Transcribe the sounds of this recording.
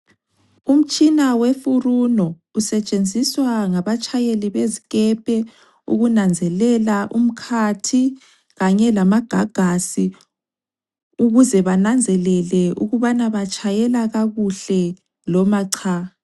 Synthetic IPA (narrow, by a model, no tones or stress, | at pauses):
um̩t͡ʃʼinawefurunɔ | usɛt͡ʃʼend͡zʱiswaŋaβat͡ʃʼʰajeliβeziɣɛpʰɛ | ṵɣunand͡zʱɛlɛlaʔum̩kʰatʰi | ɣaɲɛlamaɡ̥ʱaɡ̥ʱasi | uɣuzɛβanand͡zʱɛlɛlɛuɣuβanaβat͡ʃʼʰajɛlaɣaɣuɬɛ | lɔmaǀʰa